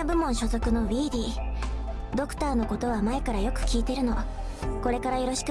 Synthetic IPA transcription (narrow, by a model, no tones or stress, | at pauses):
abɯ̟mõ̞ɰ̃ɕo̞zo̞kɯ̟no̞βʲiːd̪ʲiː | d̪o̞kɯ̟̥t̪aːno̞ko̞t̪o̞β̞amae̞kaɾajo̞kɯ̟̥kʲiːt̪e̞ɾɯ̟no̞ | ko̞ɾe̞kaɾajo̞ɾo̞ɕi̥k